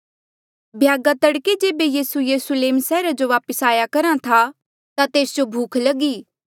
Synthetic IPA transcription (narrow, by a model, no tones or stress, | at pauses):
bʱjaːɡat̪ɐɽked͡ʒeːbejiːsujɐɾʊsʊleːmsɛːɾad͡ʒoʋaːpəsaːjakɐɾãt̪ʰa | t̪at̪eːsd͡ʒobʱuːkʰlɐɡiː